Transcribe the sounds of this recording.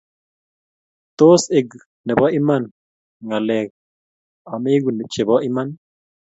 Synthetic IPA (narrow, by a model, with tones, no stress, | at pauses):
t̪o˦se˨ɡ | nɛ˨bɔ˦ʔɪ˦ma˦n | ŋa˨lɛ˨ɡ̚ | a˨me˦ɡu˨ne˨t͡ʃe˨bɔ˦ʔɪ˦ma˦n